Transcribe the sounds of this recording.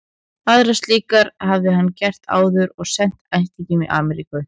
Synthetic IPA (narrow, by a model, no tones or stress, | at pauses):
aðɾast̪liːkaɾhavðɪɦanːcɛr̥t̪a̰ːwðʏɾɔɣsɛn̥t̪ajh̪t̪icɪmiʔa̰ːmɛɾikʏ